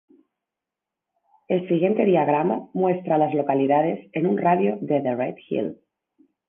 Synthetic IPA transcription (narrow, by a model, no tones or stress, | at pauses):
e̞lsiɣje̞nt̪e̞ð̞iaɣɾamamwe̞st̪ɾalazlo̞kaliðað̞e̞se̞nunraðjoðeðeret̪xḭl